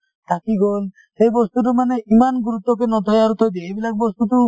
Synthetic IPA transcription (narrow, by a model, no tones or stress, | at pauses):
t̪akiɡol | sejbɔst̪uʈ̬umaneimanɡuɾut̪ːɔk̬enɔt̪ɔjaɾut̪ʰɔjd̪eebilak̚bɔst̪uʈu